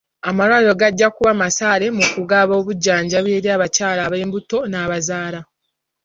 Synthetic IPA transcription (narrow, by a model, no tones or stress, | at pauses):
amalwaːjo̞ɡaɟːakuβamasaːɾe̞mukuɡaβo̞βuɟːaːɲɟaβeːɾiaβacaːlaβe̞ːmbuto̞naːβazaːla